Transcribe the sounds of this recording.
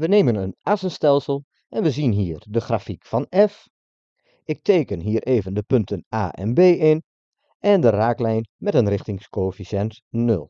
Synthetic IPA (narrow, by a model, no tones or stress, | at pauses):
ʋəneːmənənasənstɛlˠsəlˠ | ʔɛnʋəzinɦiːɹdəχraːfikfɑnɛf | ɪk̚teːkənɦiːəɾʔeːvəndəpɵntəna̰ːʔɛ̰nbeːɪn | ʔɛndəraːklɛjnmɛtənrɪχtɪŋskofisɛnt | nɵ̰lˠ